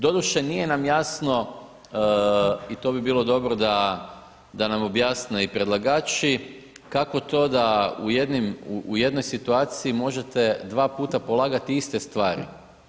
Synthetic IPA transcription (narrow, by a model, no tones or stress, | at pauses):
d̪o̞d̪uʃenije̞namjaːsno̞ | it̪o̞bibiːlˠo̞d̪o̞bɾo̞d̪a | d̪anamo̞bjaːsneipɾed̪lˠaɡaːt͡ʃi | kako̞t̪o̞ːd̪aujed̪nimuuje̞d̪no̞jsit̪uaːt̪siimo̞ʒe̞t̪e̞d̪ʋaːpuːt̪apo̞lˠaːɡat̪iist̪est̪ʋaːɾḭ